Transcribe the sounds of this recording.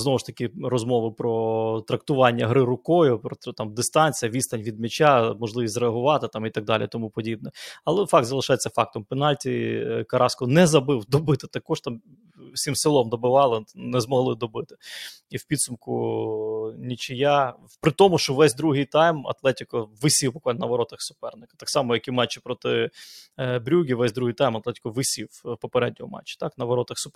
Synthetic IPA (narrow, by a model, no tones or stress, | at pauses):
znɔʋʊʃt̪ɐkʲɪrɔzmɔʋɪpɾɔt̪ɾɐk̚t̪ʊʋɑnʲːɐɦɾɪɾʊkɔjʊpɾɔt̪ɑmd̪ɪst̪ɑnʲt͡sʲijɐʋʲist̪ɐnʲʋʲid̪mʲɪt͡ʃʲamɔʒlˠɪʋʲisʲtzɾeɐɦʊʋɑt̪ɪt̪ɑmit̪ɐɡ̚d̪ɑlʲḭjt̪ɔmupɔdʲib̚nɛɐlˠɛfɑkt̪zɐlˠɪʃɑjet͡sʲːɐfɑk̚t̪ɔmpɪnɑlʲtʲikɐɾʔɑskɔnɛzɐbɪwd̪ɔbɪt̪ɪt̪ɐkɔʃt̪ɑm | wsʲimsɪlˠɔmd̪ɔbɪʋɑlˠɪnɛzmɔɦlˠɪd̪ɔbɪt̪ɪ̥iwpʲid̪sʊmkʊ | nʲit͡ʃɪja | pɾɪt̪ɔmʊʃt͡ʃɔʋɛsʲd̪ɾuɦɪjt̪ɑjmɐ̰t̪lˠɛtʲɪkɔʋɪsʲiwbʊkʋalʲnnɐʋɐɾɔt̪ɐxsʊpɛrnɪkɐ̥t̪ɑksɑmɔjɐkʲimɑt͡ʃːɪpɾɔt̪ɪ | bɾʲuɡʲiʋɛsʲd̪ɾuɦijt̪ɑjmɐt̪lˠɛtʲɪ̥kɔʋɪsʲiwpɔpeɾɛdʲnʲɔɦɔmɑ̰t͡ʃːɪ̥t̪ɑknɐʋɐɾɔt̪ɐxsʊp